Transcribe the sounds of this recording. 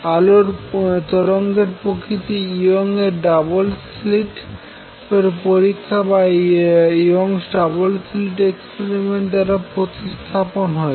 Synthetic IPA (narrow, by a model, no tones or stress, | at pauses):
aloɾt̪ɔɾoŋɡeɾpɾokʰit̪iioŋeɾɖabols | liʈ | peɾpoɾikʰːaba | ioŋsɖabolsliʈekspeɾimeɳʈd̪aɾapɾot̪ist̪ʰaponɦɔe